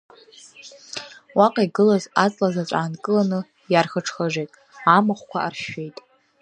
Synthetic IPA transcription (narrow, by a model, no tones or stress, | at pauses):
waqʼaiɡɨlazat͡sʼlazat͡ʃʷʼaːnkʼɨlanɨ | jarχəʈ͡ʂʰχaʒʷejtʼ | amɨχʷkʷʰaarʃejtʼ